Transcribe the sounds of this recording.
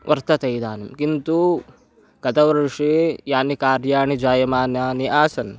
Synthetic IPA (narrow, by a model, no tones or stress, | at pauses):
ʋɐɾt̪ɐt̪ɐjd̪aːnɐmkint̪u | ɡ̥ɐt̪ɐʋɐɾʂeːjaːnikaːɾjaːɳid͡ʒaːjɐmaːnjaːniʔaːsɐn